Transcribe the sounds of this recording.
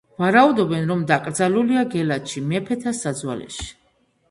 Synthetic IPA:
vaɾaud̪ɔbɛnɾɔmd̪akʼɾd̪zaluliaɡɛlat̪ʃimɛpʰɛt̪ʰasad̪zwa̰lɛ̰ʃi̥

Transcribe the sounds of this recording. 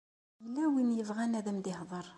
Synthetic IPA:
məlːæwinjəvʁænæðəmd̪ɪhðˤəɾˤ

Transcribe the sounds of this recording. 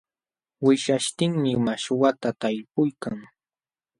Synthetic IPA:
wɪʃaʃt̪ɪŋmɪmaʃwat̪at̪aʎpʊjkaŋ

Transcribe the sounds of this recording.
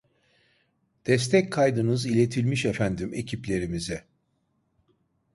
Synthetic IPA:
d̪̥ɛs̬t̪ʰɛckʰajd̪ɯnɯzilʲe̞t̪ʰilʲmiʃefænd̪ime̞̰cʰiplʲe̞ɾimizɛ

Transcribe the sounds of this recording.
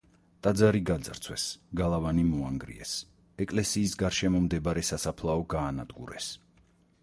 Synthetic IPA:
t̪ʼad̪zaɾiɡad̪zaɾt̪sʰwɛsɡalˠavanimɔaŋɡɾḭɛ̰s | ɛkʼlɛsiːsɡaɾʃɛmɔmd̪ɛbaɾɛsasapʰlˠaɔɡaːnad̪ɡuɾɛs

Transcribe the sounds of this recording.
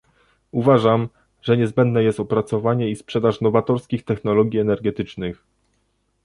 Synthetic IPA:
uvaʐam | ʐ̥ɛɲɛzbɛnd̪nɛjɛst̪ɔpɾat̪sɔvaɲɛispʂɛd̪aʂnɔvat̪ɔɾskʲixt̪ɛxnɔlɔɡʲiɛnɛɾɡɛt̪ɘt͡ʂnɘx

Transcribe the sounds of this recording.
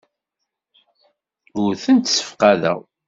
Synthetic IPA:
ʊɾθənt̪sə̥fqaðæ̰w

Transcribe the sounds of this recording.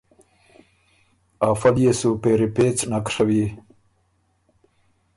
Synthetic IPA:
aːfaljesupeɾipet͡snakʂawi

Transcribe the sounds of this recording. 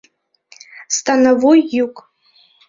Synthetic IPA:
st̪anavujːukʼ

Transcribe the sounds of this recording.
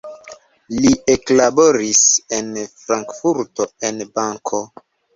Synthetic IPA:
lieklaboɾise̞nfɾaŋkfuɾtoenbaŋkʰo̞

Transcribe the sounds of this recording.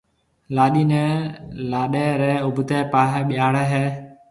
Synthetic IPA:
laːɗiːnɛːlaːɗeːɾɛːʊbʱt̪eːpaːɦɛːɓɪjaːɽɛɦeː

